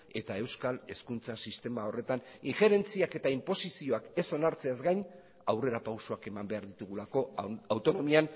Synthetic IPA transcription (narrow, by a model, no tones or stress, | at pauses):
e̞t̪ae̞wskale̞skunt͡sasist̪e̞mao̞re̞t̪aniŋxeɾe̞nt͡siake̞t̪aimpo̞sisio̞ake̞so̞naɾt͡se̞azɡajn | awre̞ɾapawsoake̞mambe̞aɾðit̪uɣulako̞awt̪o̞no̞mian